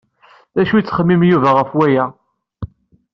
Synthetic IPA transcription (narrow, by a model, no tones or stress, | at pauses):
ðæʃujt͡sːχəmːimjuvæʁəfwæjæ